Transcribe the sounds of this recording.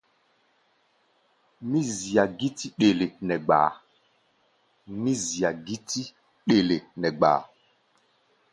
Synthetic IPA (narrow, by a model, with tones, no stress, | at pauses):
mĩ˦zi˨a˨ɡi˦ti˦ɗe˨le˨nɛ˨ɡ͡ba̰ː˨˦ | mĩ˦zi˨a˨ɡi˦ti˦ | ɗe˨le˨nɛ˨ɡ͡ba̰ː˨